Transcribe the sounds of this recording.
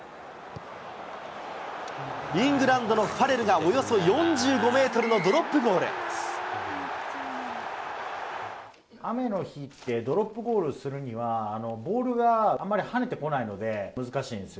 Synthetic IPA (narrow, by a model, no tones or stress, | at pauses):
ɾʲĩŋɡɯ̟ɾãnd̪o̞no̞ɸaɾe̞ɾɯ̟ɡaojo̞so̞jõ̞ɲd͡ʑɨːɡo̞me̞ːt̪o̞ɾɯ̟no̞d̪o̞ɾo̞pːɯ̟ɡo̞ːɾɯ̰ | ame̞no̞çit̪ːe̞d̪o̞ɾo̞pːɯ̟ɡo̞ːɾɯ̟sɨɾɯ̟ɲ̟iβaːno̞bo̞ːɾɯ̟ɡamːaɾʲihane̞t̪e̞ko̞naino̞d̪e̞mɯ̟zɨkaɕḭːnd̪esɨ